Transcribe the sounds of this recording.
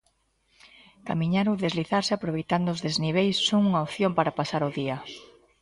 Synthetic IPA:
ka̰miɲaɾoðezliθaɾsɪapɾoβejt̪and̪ʊzðezniβ̞ejsːoŋuŋaopθjompaɾapasaɾoðiɐ

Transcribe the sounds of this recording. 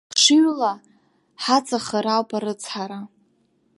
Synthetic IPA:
ʂɨɥla | ħat͡sʼaχaɾawpʰʼaɾɨt͡sʰħaɾa

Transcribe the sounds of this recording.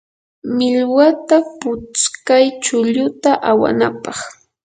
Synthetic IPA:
mɪlwat̪apʊt͡skajt͡ʃʊʎʊt̪aʔawa̰na̰pɑχ

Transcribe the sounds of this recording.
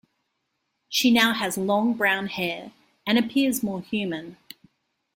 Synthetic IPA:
ʃinaʊəzlɔ̃ŋbɹãʊ̃nhɛːɹ | ə̃ñəpʰɪəzmɔːhjʉːmə̃n

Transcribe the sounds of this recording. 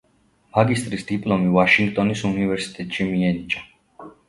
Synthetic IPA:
maɡist̪ʼɾisd̪̥ipʼlˠɔmivaʃiŋɡt̪ʼɔnisunivɛɾsi̥t̪ʼɛt̪ʼʃimiɛnit͡ʃʼa

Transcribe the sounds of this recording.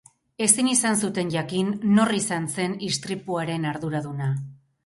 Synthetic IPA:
e̞sinisans̬ut̪e̞nʝakinːo̞risanse̞nist̪ɾipuaɾe̞naɾðuɾaðuna

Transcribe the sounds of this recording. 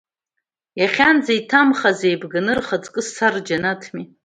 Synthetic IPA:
jaχʲand͡zaitʰamχazejbɡanɨrχat͡sʼkʼɨsard͡ʒanatʰmi

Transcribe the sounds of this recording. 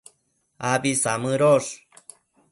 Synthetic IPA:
abisamɨɾoʂ

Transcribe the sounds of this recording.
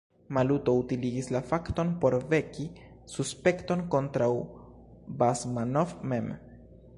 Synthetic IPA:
maluto̞utiliɡislafakt̪o̞npo̞ɾve̞ki | suspe̞kto̞nko̞ntɾaw | basmanofme̞m

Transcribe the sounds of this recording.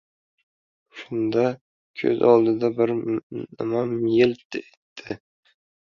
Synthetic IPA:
ʃʊnd̪a | kʲʰɵ̰zɒlˠd̪ɪd̪abɪɾnɪmamjɪlt̪et̪ːʰɪ

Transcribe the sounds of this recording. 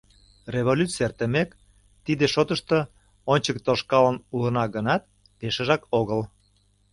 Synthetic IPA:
reβolʲut͡sert̪əmek | t̪id̪eʃot̪əʃt̪ə | onʲt͡ɕək̚t̪oʃkɑlənulənɑɣənɑt̪̚ | peʃəʒɑkoɣəl

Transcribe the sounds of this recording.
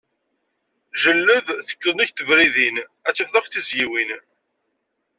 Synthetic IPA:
ʒəlːəvθə̥kːðˤənæçt̪ːəvɾiðinæt͡sːifðˤɑfθizjiwin

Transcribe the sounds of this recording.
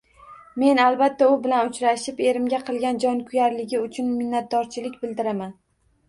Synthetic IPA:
me̞nalˠbat̪ʰːaʊbɪlanʊt͡ʃʰɾaʃɪpe̞ɾɪmɡʲaqʰɨlˠɡʲand͡ʒɒnkʰʊjaɾlɪɡʲɪʊt͡ʃʰʊnmɪnːat̪̚d̪ɒɾt͡ʃʰɪlɪkʲbɪld̪ɪɾaman

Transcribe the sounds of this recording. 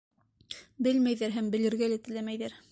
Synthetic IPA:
bɘlmæjðæɾɦæmbɘ̆lɘ̆ɾɡælæt̪ɘ̆læmæjðæɾ

